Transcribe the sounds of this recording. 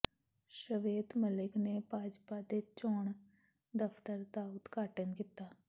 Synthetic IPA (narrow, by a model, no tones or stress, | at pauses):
ʃəʋeːd̪məlɪkneːbaːd͡ʒpaːd̪eːt͡ʃɔːɳ | d̪əpʰt̪əɾd̪aːʊt̪kaːʈənkiːt̪ːaː